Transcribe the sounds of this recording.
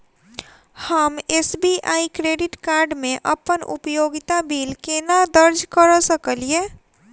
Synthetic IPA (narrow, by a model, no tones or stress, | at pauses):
həmesbiʔaikɾeːɖɪʈkaɾɖmẽʔə̰pənṵpəjoːɡɪt̪abiːlkenad̪əɾd͡ʒkəɾəsəkəlie